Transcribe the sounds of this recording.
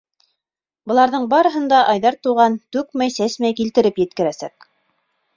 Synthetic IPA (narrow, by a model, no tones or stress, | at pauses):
bɤ̆lˠɑɾðɤɴbɑɾɤ̆ɦɤ̆nd̪ɑʔɑjðɑɾt̪uʁɑnt̪ʉkmæjsæsmæjkilt̪ɘ̆ɾɘpjɘ̆t̪̚kɘ̆ɾæsæ̰k